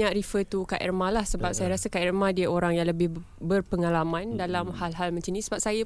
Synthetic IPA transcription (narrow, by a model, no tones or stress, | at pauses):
aʔɾifət̪ukaʔɛ̰rmãlahsəbap̚sajaɾasakaʔɛrmãdiəoɾaŋjaŋləbɪh | bərpəŋalamãndalamhalɦalmə̃ɲt͡ʃinĩsəbap̚saja